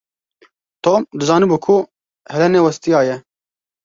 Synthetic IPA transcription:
t̪oːmd̪ɨzɑːnibuːkʰu | hɛlɛneːwɐst̪ijɑːjɛ

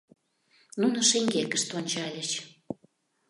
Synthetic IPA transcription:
nunoʃeŋɡekə̆ʃt̪onʲt͡ɕɑlʲə̆t͡ɕ

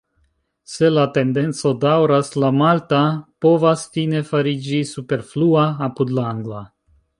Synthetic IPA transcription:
se̞late̞nde̞nt͡so̞dawɾaslamaltapo̞vastine̞faɾid͡ʒisupe̞ɾfluaːpudlaaŋɡla

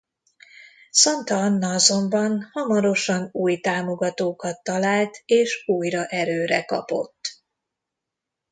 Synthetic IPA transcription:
sɒnt̪ɒnːɒɒzo̞mbɒnhɒmɒɾo̞ʃɒnuːjt̪aːmo̞ɡɒt̪oːkɒt̪ːɒlaːlt̪eːʃuːjrɒʔɛɾøːɾɛkɒ̰po̞̰t̪ː

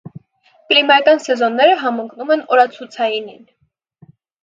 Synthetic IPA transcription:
klimɑkɑnsɛzɔnːɛɾəɦɑmɔŋkʰnumɛnɔɾɑt͡sʰut͡sʰɑjinin

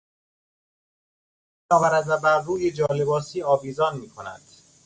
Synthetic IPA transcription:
nɒːɣæɾæzæbæɾɾuːjed͡ʒɒːlebɒːsiːɒːviːzɒːnmiːkʰonæ̰d̪̥

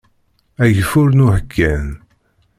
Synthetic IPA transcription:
æʝəfʊɾnuhəkʰːæn

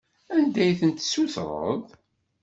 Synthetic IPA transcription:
ænd̪æjθənt̪suθɾˤə̰ðˤ

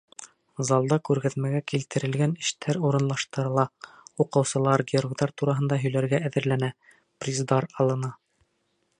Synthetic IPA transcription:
zɑlˠd̪ɑkʉɾɡæðmæɡækilt̪ɘ̆ɾɘ̆lɡænɘ̆ʃt̪ʰæɾuɾɤ̆nlˠɑʃt̪ɤ̆ɾɤ̆lˠɑuqɤ̆wsɤ̆lˠɑɾɡʲɪoɾɡd̪ɑɾt̪uɾɑɦɤ̆nd̪ɑɦɵ̆jlæɾɡæːðɘ̆ɾlænæ | prʲizd̪ɑɾɑlˠɤ̆nɑ

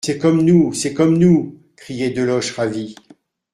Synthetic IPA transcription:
sɛkɔmnusɛkɔmnu | kχijed̪əlɔʃʁavi

